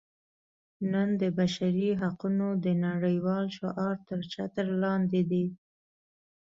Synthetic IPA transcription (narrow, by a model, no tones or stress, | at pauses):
nənd̪əbaʃaɾiɦaqunod̪ənaɽəjwɑlʃoʔɑɾt̪əɾt͡ʃat̪əɾlɑnd̪ed̪i